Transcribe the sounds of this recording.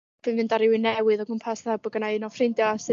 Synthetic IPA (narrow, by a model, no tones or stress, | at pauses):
b̥ɨnvɨndaɾɪwɪnɛwɨðɔɡʊmpʰasaabʊɡənaɨnɔfrejndjɔasɨ